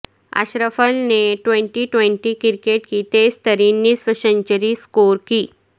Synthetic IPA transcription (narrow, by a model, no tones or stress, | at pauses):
a̰ɕɾəfəlneʈʋeɳʈiʈʋeɳʈikiɾkeʈkit̪est̪ʰəɾinːisʋəɕəɲt͡ɕəɾiskoɾkiː